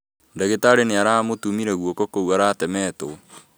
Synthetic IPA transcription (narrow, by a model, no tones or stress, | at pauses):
ndaɣetaɾeneaɾaːmotumiɾɛɣwokɔkowaɾaːtɛmɛːto